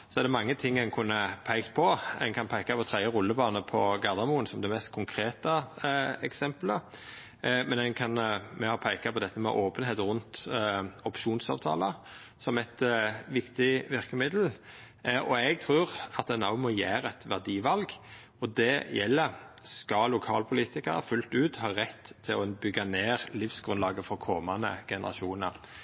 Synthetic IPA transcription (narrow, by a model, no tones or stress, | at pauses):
sɔɛd̪ɛmɑŋːət̪ʰɪŋːæɪnkʰʉnːəpʰæɪkt̪pʰɔɛnkʰɑnpʰæɪkɑpʰɔt̪ʰʁɛɪəʁʊlːəbɑːnəpʰɔɡɑʁd̪ɑmuːənsɔmd̪ɛmɛst̪̚kʰʊŋkʰɾeːt̪ɑɛksɛmplə | mɛnɛnkʰɑnmɛhɑpʰæɪkɑpʰɔd̪ɛt̪ːəmɛ̰ʔoːpənheːt̪ʁʉnt̪ɔpʃuːnsɑ̰ːʋt̪ʰɑ̰ːləsɔmɛt̪ʋɪkt̪ɪʋɪɾkəmɪd̪l̩ | ʔɔɛɡ̚t̪ʰʁʉːʁɑt̪ɛnɑʊmɔjæːɾɛt̪ʋæʁd̪iːʋɑlɡ | ɔd̪ɛjɛlːə | skɑlʊkʰɑ̰ːlpʰʊliːt̪ɪkəɾə̰fʉlt̪ʉːt̪hɑːʁɛt̪ʰːɪlɔbʏɡːɑneːʁlɪfsɡ̥ɾʉnlɑːɡəfɔkʰɔmɑnə̰ɡ̥ɛnə̰ʁɑ̰ʃuːnə̰ɾ